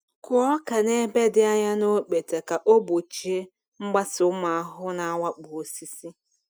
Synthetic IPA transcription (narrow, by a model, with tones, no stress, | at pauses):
kʊ˨ɔ˦ka˨ne˦be˦dɪ˦a˦ɲa˦no˦k͡pe˨te˨ka˨ʔo˦bo˨t͡ʃi˨e˦ | ŋ͡m̩˦ɡ͡ba˦sʊ˨˦ʊ˦ma˨a˦ɦʊ˦na˨˦wa˦k͡pu˨o˨si˦si˦